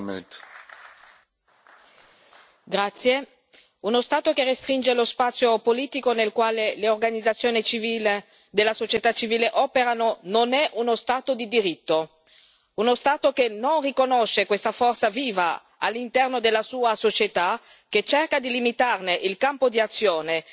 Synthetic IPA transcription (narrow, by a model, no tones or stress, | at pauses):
t̪ | ɡɾat̪sːje | unost̪aːt̪okerest̪ɾind͡ʒelospat̪sːjopoliːt̪ikonelkwaːleleorɡanid̪zat̪sːjoːnit͡ʃiviːle | d̪elːasot͡ʃet̪at͡ʃiviːleʔɔːpeɾanononɛʔunost̪aːt̪od̪id̪iɾit̪ːo | unost̪aːt̪okenonrikonoʃːekwest̪afɔrt̪saviːva | a̰lːint̪ɛrnod̪elːasuːasot͡ʃet̪a | ket͡ʃerkad̪ilimit̪arneʔilkampod̪iat̪sːjoːne